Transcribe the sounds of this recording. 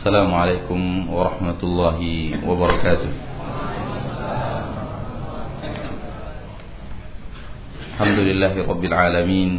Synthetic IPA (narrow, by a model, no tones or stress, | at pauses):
sːalaːmʊʕalejkʊmwɑɾˤɑħmat̪ʊlˤːɑːɦɪwɑbɑɾˤɑkaːt̪ʊh | ʔalħamd̪ʊlɪlːaːɦɪɾˤɑbːɪlʕaːlamiːn